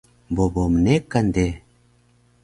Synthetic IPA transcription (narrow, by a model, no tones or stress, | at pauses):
bobomnekːand̪e